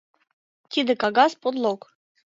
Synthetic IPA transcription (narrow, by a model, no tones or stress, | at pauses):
t̪ʲid̪ɘ̆kɑɡɑspod̪lˠok